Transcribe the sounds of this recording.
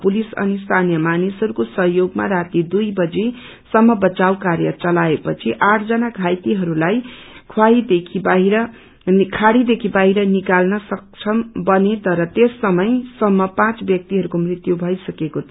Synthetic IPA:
pulisʌ̰nist̪ʰanijʌmanisɦʌɾukosʌɦjoɡma̰ɾat̪id̪ujbʌd͡ze | sʌmːʌbʌt͡sawkaɾjʌt͡sʌlaepʌt͡sʰiʔaʈʰd͡zʌnaɡʱajt̪iɦʌɾulajkʰwaid̪ekʰibiɾʌ | kʰaɽid̪ekʰibaɦiɾʌnikalnʌsʌk̚t͡sʰʌmbʌnet̪ʌɾʌt̪esːʌmʌjsʌmːʌpãt͡sbjʌk̚t̪iɦʌɾukomrit̪jubʱʌjsʌkekot̪ʰ

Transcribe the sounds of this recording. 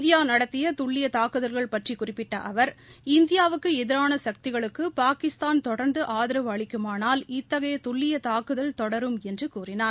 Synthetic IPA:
d̪ɪjaːnɐɽɐt̪ːɪjɐt̪ʊɭːɪjɐt̪aːkɯðɐlɣɐɭpɐʈrikʊrɪpːɪʈːɐʔɐʋɐɾɪnd̪ɪjaːʋɯkːɯɛðɪɾaːnɐsɐk̚t̪ɪɣɐɭɯkːɯpaːkɪst̪aːnt̪ɔɽɐɾnd̪ɯʔaːðɪɾɐʋɐɭɪkːɯmaːnaːlɪt̪ːɐɣɐjɐt̪ʊɭːɪjɐt̪aːkɯðɐlt̪ɔɽɐɾɯmɛndrɯkuːrɪnaːɾ

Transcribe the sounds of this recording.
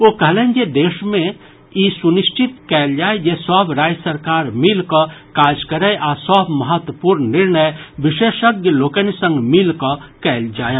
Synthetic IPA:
oːkəɦleːnd͡ʒed̪eːʃmẽ | isunɪʃt͡ʃɪt̪kɛːld͡ʒaːed͡ʒesɔːbɾaːd͡ʒsəɾkaːɾmɪlkəkaːd͡ʒkəɾəjʔaːsɔːbməɦət̪wəpuːɾnːɪɾnəjʋɪʃeːʃəɡjəloːkənisə̃ŋɡmɪlkəkɛːld͡ʒaːje

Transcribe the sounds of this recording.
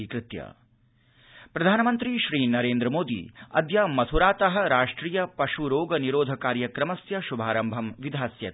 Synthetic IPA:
ikɾɪt̪jɐ̰ | pɾɐd̪ʱaːnɐmɐnt̪ɾiʃɾiːnɐɾeːnd̪ɾɐmoːd̪ḭɐ̰d̪jɐmɐt̪ʰuɾaːt̪ɐɦɐ̆ɾaːʂʈɾiːjɐpɐʃuɾoːɡɐniɾoːd̪ʱɐkaːɾjɐkɾɐmɐsjɐʃubʱaːɾɐmbʱɐmʋid̪ʱaːsjɐ

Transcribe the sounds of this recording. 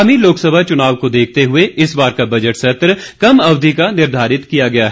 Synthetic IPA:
miloːksəbʱat͡ʃʊnaːʋkod̪eːkʰt̪eɦʊeɪsbaːɾkabɐd͡ʒəʈsɐt̪ɾkɐmɐʋd̪ʱikanɪɾd̪ʱaːɾɪt̪kijaɡɐjaɦɛ

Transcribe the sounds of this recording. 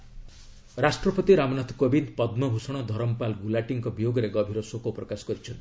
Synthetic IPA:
ɾasʈɾɔpɔt̪iɾamɔnat̪ʰɔ̥kobind̪pɔd̪mɔbʱusɔɽ̃ɔd̪ʱɔɾɔmpalɡulaʈiŋkɔbijoɡɔɾeɡɔbʱiɾɔsokopɾɔkasɔ̥kɔɾit͡ʃʰɔnt̪i̥

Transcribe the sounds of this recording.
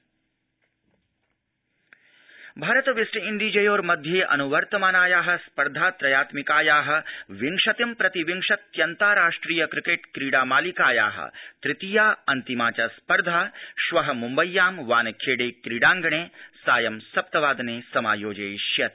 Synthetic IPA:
bʱaːɾɐt̪ɐʋisʈɐind̪id͡ʒɐjoːɾmɐd̪ʱjeːʔɐ̰nuʋɐɾt̪ɐmaːnaːjaːɦɐ̆spɐɾd̪ʱaːt̪ɾɐjaːt̪mikaːjaːɦɐ̆ʋiŋʂɐt̪impɾɐt̪iʋiŋʂɐt̪jɐnt̪aːɾaːʂʈɾiːjɐkɾɪkeːʈkɾiːɽaːmaːlikaːja̰ːɦɐ̰t̪ɾɪt̪ijaːɐnt̪imaːt͡ʃaːspɐɾd̪ʱaːʃʋɐɦɐmumbɐjːaːmʋaːnɐkʰeːɽeːkɾiɽaːŋɡɐɳeːsaːjɐmsɐp̚t̪ɐʋaːd̪ɐneːsɐmaːjoːd͡ʒɐːjʃjɐt̪̚

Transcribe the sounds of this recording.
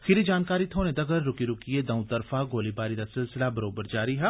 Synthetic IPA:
xɪɾid͡ʒaːnkaːɾit̪ʰoːned̪ɐɡəɾːʊkiɾʊkied̪ɐ̃ũt̪ɐɾfaɡoːlibaːɾid̪asɪlsɪlabɐɾoːbəɾd͡ʒaːɾiɦɛ

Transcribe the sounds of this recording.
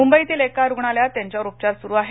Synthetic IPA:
umbəit̪ilekaɾuɡʱɳ̃aljat̪jaɲt͡ɕjaɾup̚t͡ɕaɾsuɾuːaɦe

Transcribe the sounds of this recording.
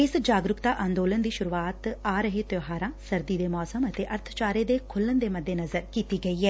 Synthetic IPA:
ɪsd͡ʒaːɡɾʊkt̪aːʔãːnd̪oːlənd̪iːʃʊɾuːaːt̪aːɾəɦeːt̪joːɦaːɾãːsəɾd̪iːd̪eːmɔːsəmət̪eːʔəɾt̪ʰt͡ʃaːɾeːd̪eːkʰʊlːənd̪eːməd̪ːeːnəzəɾkiːt̪iːɡəiːɛː

